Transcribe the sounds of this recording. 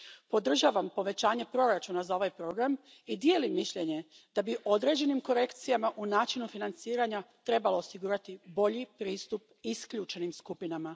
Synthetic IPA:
po̞d̪r̩ʒaʋampo̞ʋe̞t͡ɕaːɲe̞pɾo̞ɾat͡ʃunazao̞ʋajpɾo̞ɡɾam | id̪je̞ːlimːiʃʎe̞ɲe̞ | d̪̥abiʔo̞d̪ɾe̞d͡ʑe̞nimko̞ɾe̞kt̪sijamaʔunaːt͡ʃinufinant̪siːɾaɲat̪ɾe̞balo̞ːsiɡuːɾat̪ibo̞ʎipɾiːst̪up̚ | iskʎuːt͡ʃenimskupinama

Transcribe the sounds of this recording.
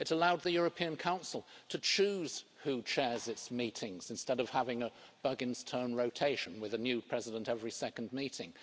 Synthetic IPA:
ɨɾəlaʊd̪̚ðɨjʊɹɨpʰĩɨ̃nkʰãʊ̃nsl̩ˠtʰɨt͡ʃʰʉz̥hut͡ʃʰɛɹzɨtsmiɾɪ̃ŋz̥ɨ̃nstɛɾʌv̥hævɪ̃ŋəb̥ʌɡɨ̃nz̥tʰɜ̃˞nɹoʊtʰeɪʃɨ̃n̩wɨðɨnjʉpʰɹ̥ɛzɨɾə̃ntɛvɹisɛkn̩miɾɪ̃ŋ

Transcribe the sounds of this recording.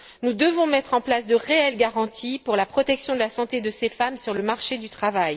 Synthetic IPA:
nud̪əvɔ̃mɛt̪χɑ̃plasd̪əʁeɛlɡaʁɑ̃t̪ʰipuʁlapχɔt̪ɛksjɔ̃d̪əlasɑ̃t̪ed̪əsefamsyʁləmaʁʃed̪yt̪χavaj

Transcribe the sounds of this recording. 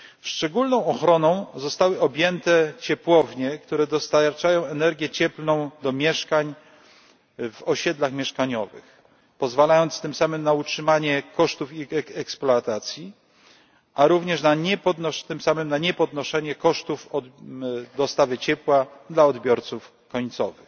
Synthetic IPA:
fʂt͡ʂɛɡulnɔ̃w̃ɔxɾɔnɔ̃w̃zɔst̪awɘɔbʲjɛnt̪ɛt͡ɕɛpwɔvɲɛkt̪uɾɛd̪ɔst̪aɾt͡ʂajɔ̃w̃ɛnɛɾɡʲjɛt͡ɕɛplnɔ̃w̃d̪ɔmʲjɛʂkaɲ | vɔɕɛd̪laxmʲjɛʂkaɲɔvɘ̰x | pɔzvalajɔnt̪st̪ɘmsamɘmnautʂɘmaɲɛkɔʂt̪ufiɛɛksplɔat̪at̪sʲji | ʔaɾuvɲɛʂnaɲɛpɔd̪nɔʂt̪ɘmsamɘmnaɲɛpɔd̪nɔʂɛɲɛkɔʂt̪ufɔd̪ɔst̪avɘt͡ɕɛpwad̪laɔd̪bʲjɔɾt̪suf | kɔɲt̪sɔvɘx

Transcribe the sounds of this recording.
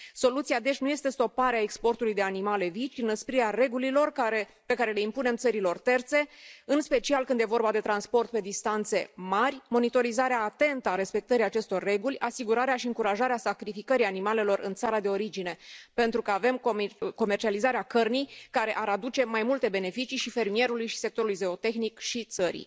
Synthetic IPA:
so̞lut̪sijad̪e̞ʃnuje̞st̪e̞st̪o̞paɾeaekspo̞rt̪ulujd̪e̞animale̞vit͡ʃinəspɾieare̞ɡulilo̞rkaɾe | pe̞kaɾe̞le̞impune̞mt̪səɾilo̞rt̪e̞rt̪se̞ɨnspe̞t͡ʃialkɨnd̪je̞vo̞rbad̪e̞t̪ɾanspo̞rt̪̚pe̞d̪ist̪ant̪se̞marʲmo̞nit̪o̞ɾizaɾeaːt̪e̞nt̪əaɾe̞spe̞k̚t̪əɾiat͡ʃe̞st̪o̞rːe̞ɡulʲasiɡuɾaɾeaʃiɨŋkuɾaʒaɾeasakɾifikəɾianimale̞lo̞rʔɨ̰nt̪saɾad̪e̞o̞ɾid͡ʒine̞pe̞nt̪ɾukəave̞mko̞me̞rt͡ʃializaɾeakərnijkaɾe̞ʔaɾad̪ut͡ʃe̞majmult̪e̞be̞ne̞fit͡ʃiʃife̞rmie̞ɾulujʃi̥se̞k̚t̪o̞ɾulujze̞o̞t̪e̞xnikʃit̪səɾḭj

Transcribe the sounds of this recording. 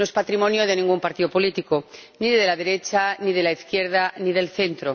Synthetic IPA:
noespat̪ɾimõ̞njoð̞e̞nĩŋɡumpaɾt̪iðo̞po̞lit̪iko | niðeðelaðe̞ɾe̞t͡ʃanið̞e̞laiθkje̞ɾð̞aniðe̞lθe̞nt̪ɾo

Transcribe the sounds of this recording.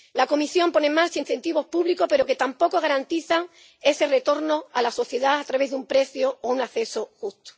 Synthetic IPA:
lako̞misjo̞mpo̞nẽ̞ŋmaɾt͡ʃain̟θe̞nt̪iβo̞hpuβlikope̞ɾoke̞t̪ampo̞ko̞ɣ̞aɾant̪iθaŋ | e̞se̞re̞t̪o̞ɾno̞alaso̞θje̞ðaat̪ɾaβe̞zðumpɾe̞θjo̞ounaθe̞so̞xust̪o̥

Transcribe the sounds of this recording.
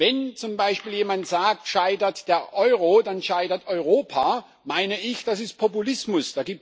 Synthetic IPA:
vɛnt͡sʊmbaɪʃpiːljeːmantz̥aːk̚tʃaɪdɐtd̥eːɐʔɔʏʁ̞odanʃaɪdɐtɔʏʁoːpʰaː | maɪnəɪçd̥asɪst̚pʰɔpulɪsmʊsd̥aːɡiːp̚

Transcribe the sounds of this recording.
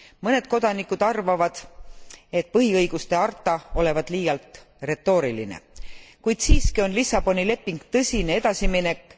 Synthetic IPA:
mɤne̞d̪̥̚ko̞d̪̥ɑnikːud̪̥ɑrvɑvɑd̪̥ | e̞t̪̚pɤɦiɤjɡ̥ust̪e̞ɑrt̪ːˑɑo̞le̞vɑd̪̥liːjɑlt̪ˑ | re̞t̪ːo̞ːɾiline̞̰kujd̪̥siːskio̞nlisːɑb̥o̞nile̞pːˑiŋɡ̥t̪ɤsʲine̞e̞d̪̥ɑsimine̞kːˑ

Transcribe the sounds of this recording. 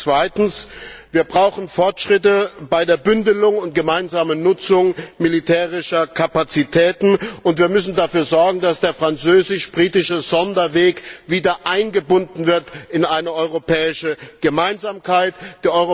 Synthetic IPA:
t͡sv̥aɪtn̩sviːɐbʁaʊxn̩fɔɐtʃʁ̥ɪtəb̥aɪdeːɐbʏndəlʊŋʊnt̚ɡ̥əmaɪnzaːmənʊt͡sʊŋmilitʰɛːʁɪʃɐkʰapat͡sitʰɛːtn̩ʔʊntv̥iːɐmʏsn̩dafyːɐzɔɐɡŋ̩dasd̥eːɐfʁ̥ant͡søːzɪʃb̥ʁiːtɪʃəzɔndɐveːkviːdɐʔaɪnɡəbʊndn̩vɪɐtɪnʔaɪnəʔɔʏʁopʰɛːɪʃəɡ̥əmaɪnzaːmkʰaɪtd̥iːɐʔɔʏʁo

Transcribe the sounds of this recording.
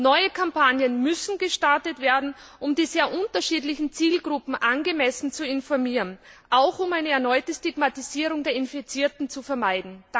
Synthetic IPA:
nɔʏəkʰampʰanjənmʏsn̩ɡəʃtaɐtətv̥eːɐdn̩ | ʔʊmdiːzeːɐʔʊntɐʃiːdlɪçn̩t͡siːlɡʁʊpm̩ʔanɡəmɛsn̩t͡suɪnfɔɐmiːʁənʔaʊxʊmaɪnəɛɐnɔʏtəstiɡmatiziːʁ̞ʊŋdeːɐɪnfit͡siːɐtn̩t͡sufɛɐmaɪdn̩d

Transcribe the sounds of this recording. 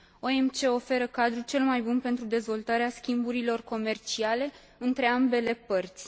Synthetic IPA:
o̞e̞mt͡ʃe̞o̞fe̞ɾəkad̪ɾut͡ʃe̞lmajbunpe̞nt̪ɾud̪e̞zvo̞lt̪aɾeaskʲimbuɾilo̞rko̞me̞rt͡ʃiale̞ | ɨnt̪ɾe̞ambe̞le̞pərt̪sʲ

